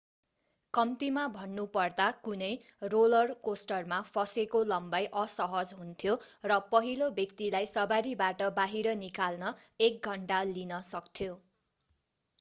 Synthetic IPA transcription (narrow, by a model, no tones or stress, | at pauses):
kʌmt̪imabʱʌnːupʌrd̪akunʌj | rolʌrkosʈʌrmapʰʌsekolʌmbajʔʌsʌɦʌd͡zɦunt̪ʰjorʌpʌɦilobjʌkt̪ilajsʌbaɾibaʈʌbaɦiɾʌnikalnʌek̚ɡʱʌɳʈalinʌsʌk̚t̪ʰjo